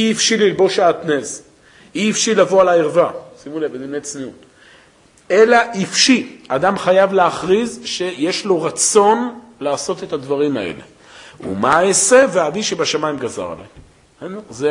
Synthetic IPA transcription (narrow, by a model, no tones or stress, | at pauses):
iifʃililbo̞ʃaːtnez | iifʃilavo̞alaiʁvasimulevbed̪imne̞jt͡sniut | e̞laʔifʃiadamχajavleaχʁizʃe̞je̞ʃlo̞ʁat͡so̞n | laːso̞te̞tadvaʁima̰e̞̰le̞̰ | ṵmaese̞veaviʃebaʃamaimɡaza̰ʁa̰la̰ | nze